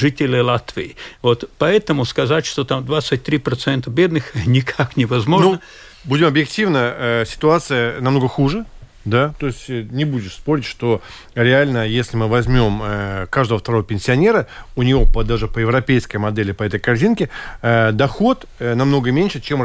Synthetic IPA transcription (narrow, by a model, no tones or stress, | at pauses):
ʐɨtʲɪlʲɪlˠat̪vʲɪɪvo̞t̪pɐɛt̪əmʊskɐzatʲʂt̪ot̪amd̪vat̪sɨt̚ʲt̪ɾʲipɾɐt̪sɛnt̪əbʲed̪nɨxnʲɪkʰaknʲɪvɐzmoʐnnə | budʲɪmɐbjɪktʲivnəəsʲɪ̥t̪ʊat̪sɨjənɐmno̞ɡəxuʐɨ | d̪at̪o̞ɪsʲtʲnʲɪbudʲɪʂspo̞ɾʲɪtʲʂt̪o | ɾʲɪalʲnəjesʲlʲɪmɨvɐzʲmʲo̞məkaʐd̪əvəft̪ɐɾo̞vəpʲɪnʲsʲɪɐnʲe̞ɾəʊnʲɪvo̞pəd̪aʐɨpəjɪvɾɐpʲejskəjmɐd̪ɛlʲɪpɐɛt̪əjkɐrzʲinkʲɪəd̪ɐxo̞t̪ | nɐmno̞ɡəmʲenʲʂɨt͡ɕem